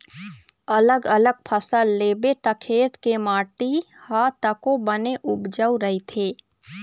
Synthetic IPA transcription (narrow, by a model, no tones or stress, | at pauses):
ɐləɡələɡ̚pʰəsəlːeːbet̪əkʰeːt̪kemaːʈi | hat̪əkõbəneʔʊbd͡ʒəuɾəɦit̪ʰeː